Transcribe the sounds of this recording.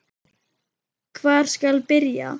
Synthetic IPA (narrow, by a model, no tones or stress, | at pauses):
kʰvaːɾ̥skalpɪɾja̰